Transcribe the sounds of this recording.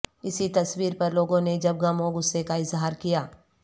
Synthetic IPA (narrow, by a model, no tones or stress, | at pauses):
ɪsit̪ɐswiːɾpɐɾloːɡõned͡ʒɐb̚ɡɐmõɡʊsːekaɪzɦaːɾkijaː